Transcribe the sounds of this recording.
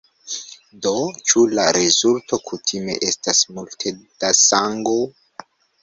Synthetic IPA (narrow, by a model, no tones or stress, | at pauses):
do̞t͡ʃulaɾezulto̞kʰutʰime̞̰ʔe̞stasmultʰed̥asaŋɡo